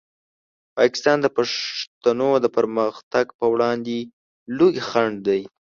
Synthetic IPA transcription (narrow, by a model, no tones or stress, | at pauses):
pɑkɪ̥st̪ɑnd̪əpaʂt̪anod̪əpəɾməxt̪aɡpəwɽɑnd̪e | lujxaɳɖd̪aj